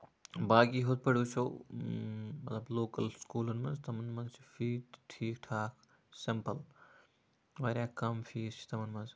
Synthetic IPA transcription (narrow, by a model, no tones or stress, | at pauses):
baːkiɦod̪̚pɐɽuːt͡ʃʰoː | mɐt̪lɐbloːkɐlskuːlɐnmɐnzt̪ɐmɐnmɐnzt͡ʃʰi̥fiːtʈʰiːkʈʰaːk | sɪmpɐl | ʋɐɾʲaːkɐmfiːzt͡ʃʰi̥t̪ɐmɐnmɐnz